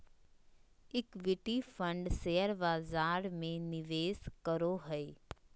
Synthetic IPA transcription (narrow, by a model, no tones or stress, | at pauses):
ɪkʋɪʈifə̃ɳɖseːəɾbaːzaːɾmẽnɪʋeːskəɾoɦəeː